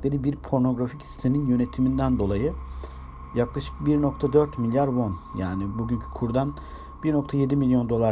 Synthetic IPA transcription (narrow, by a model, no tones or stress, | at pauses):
lʲe̞ɾibiɾpʰo̞ɾno̞ɡɾafici̥st̪ʰe̞ninjø̞ne̞t̪ʰimind̪ænd̪o̞lˠajɯ | jaklˠaʃɯ̥kbiɾno̞k̚t̪ʰad̪øɾt̪milʲjaɾvo̞nja̰ːnibuɟyncʰy̥kʰuɾd̪an | b̥iɾno̞kt̪ʰaje̞d̪imilʲjo̞nd̪o̞lˠa